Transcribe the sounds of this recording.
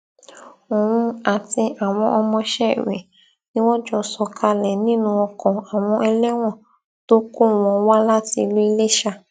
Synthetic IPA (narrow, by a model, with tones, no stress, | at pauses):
o˨ɾũ˧a˨ti˧a˨w̃ɔ̃˧ʔɔ˧mɔ̃˧ʃɛ˦˨ɾḛ̃˨ | nĩ˦wɔ̃˦d͡ʒɔ˧sɔ˧kʰa˧lɛ˨nĩ˦nũ˧ɔ˧kɔ̃˨a˨w̃ɔ̃˧ʔɛ˧lɛ˦w̃ɔ̃˦˨ | to˦ko˦w̃ɔ̃˧wa˦la˦ti˧lu˦i˧le˦ʃa˧